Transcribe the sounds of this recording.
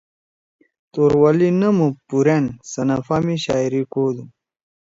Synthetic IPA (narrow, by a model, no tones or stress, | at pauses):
t̪oɾwɐlinɐmupuɾensɐnɐfamiɕa̰ːiɾikoːd̪um